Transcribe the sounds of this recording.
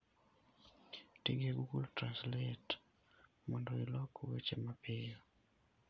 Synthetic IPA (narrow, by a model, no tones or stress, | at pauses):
tiŋɡeɡukultɾanslɛt | mɔndɔilɔkwet͡ʃemapɪjo